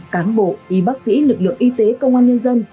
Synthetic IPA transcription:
kaː˨˦nɓo̰˧˨ʔi˨˦ɓaː˦˥k̚sḭ˧˥lɨ˨˩k̚lɨ̰˧˨əŋʔi˧t̪e˨˦kə˧wŋ͡mʔaː˧nɲə˧nzə˧n

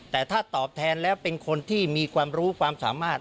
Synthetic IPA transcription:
t̪ɛː˨˩t̪ʰaː˥˩t̪ɔː˨˩p̚t̪ʰɛː˧nlɛː˦˥wwpe˧nkʰo˧nt̪ʰiː˥˩miː˧kʰwaː˧mɾuː˦˥kʰwaː˧msaː˩˦maː˥˩t̪̚

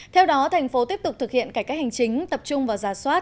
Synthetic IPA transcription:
t̪ʰɛ˧wɗɔ˨˦t̪ʰɛ˨˩ŋ̟fo˨˦t̪i˦˥əp̚t̪k͡p̚t̪ɨ˨˩k̚hḭ˧˨ənkaː˧˩kaː˦˥hɦa˨˩ŋ̟t͡ɕï˨˦ŋ̟t̪ə˨˩p̚t͡ɕʊ˧ŋ͡mvaː˨˩wzaː˧˩swaː˦˥t̚

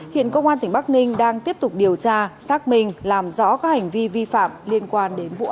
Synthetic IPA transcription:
hḭ˧˨ənkə˧wŋ͡mʔaː˧nt̪ï˨˩ŋ̟ɓa˦˥k̚nï˧ŋ̟ɗaː˧ŋt̪i˦˥əp̚t̪ʊ˨˩k͡p̚ɗi˨˩əwt͡ɕaː˧saː˦˥k̚mï˧˩ŋ̟laː˨˩mzɔ̰˧˥kaː˨˦˥k̚ha˨˩jŋ̟vi˧vi˧fa̰ː˧˨mli˧ənkwaː˧nɗe˨˦nvṵ˧˨

